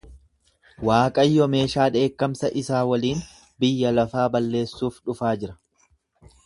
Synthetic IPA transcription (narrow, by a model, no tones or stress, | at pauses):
waːkʼɐjːɔme̞ːʃaːᶑe̞ːkːɐmsɐʔɪsaːwɐliːn | bɪjːɐlɐfaːbɐlːe̞ːsːuːfᶑʊfaːd͡ʒɪɾɐ̥